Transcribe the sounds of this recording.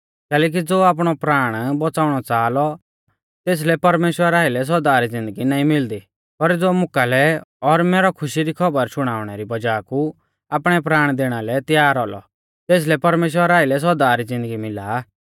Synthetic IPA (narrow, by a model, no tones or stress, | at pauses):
kɛːlɛːk̬id͡zoːaːp̬ɽ̃ɔpɾaːɽ̃bɔt͡saːʊɽ̃ɔt͡saːlɔ | t̪eːs̬lɛpɐɾmeːʃwəɾaːɪlɛs̬ɔɾd̪aɾid͡zɪ̃nd̪əɡinaːĩmɪld̪i | pɐɾd͡zoːmʊkalɛɔɾmɛːɾɔkʰʊʃiɾikʰɐbəɾsʊɽ̃aːʊɽ̃ɛɾibɐd͡ʒaːku | aːpɽ̃ɛpɾaːɽ̃d̪eːɽ̃alɛt̪jaːɾɦɔlɔ̰ | t̪eːs̬lɛpɐɾmeːʃwəɾaːɪlɛs̬ɔd̪aɾid͡zɪ̃nd̪əɡimɪla